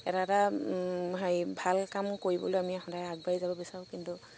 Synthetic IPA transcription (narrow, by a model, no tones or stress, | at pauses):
ɛtata | ɦajbʱalkamkoɹibɔ̰lojamiɛxɔdajaɡ̚baɹizabɔbisaɹʊ̃kintu